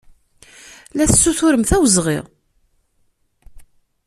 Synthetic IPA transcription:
læθt͡sːuθʊɾəmθæwzʁḭʁ

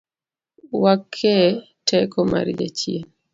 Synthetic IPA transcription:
wakʰːɛ | tʰɛkɔma̰ɾd͡ʒa̰t͡ʃjen

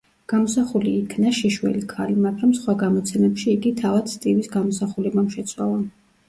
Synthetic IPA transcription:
ɡ̥amɔsaχuliːkʰnaʃiʃwɛ̰likʰalimaɡɾamsχwaɡamɔt̪sʰɛmɛpʃiːɡit̪ʰavad̪̥st̪ʼivisɡamɔsaχulɛbamʃɛt̪sʰʼwa̰lˠan

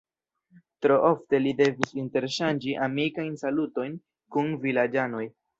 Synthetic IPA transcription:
tɾo̞ʔo̞fte̞lide̞visinte̞ɾʃand͡ʒiʔamikajnsaluto̞jn | kunvilad͡ʒano̞j

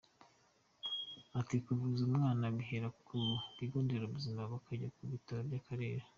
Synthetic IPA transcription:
atikuvuzumŋaːnaβiɦeɾakʰuβiɡoːndeɾoβuziːmbaβakʰaɟakuβitaɾobɟakaɾe̞ːɾḁ

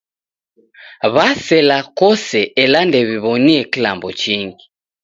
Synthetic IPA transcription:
βasɛlakɔsɛʔɛlandɛβiβɔniɛkila̰mbɔt͡ʃiŋɡi

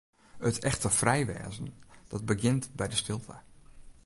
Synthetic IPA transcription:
ətʰɛxtəfrɛjʋɛ̰ːzən̩d̥ɔt̚bəɡɪntbɛjdəstɪlˠtʰə

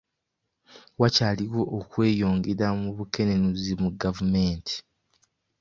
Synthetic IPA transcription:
wacaːliɣo̞ʔːkwe̞ːjo̞ːŋɡeɾamuβuke̞ne̞nuzimuɡavume̞ːntʰi̥

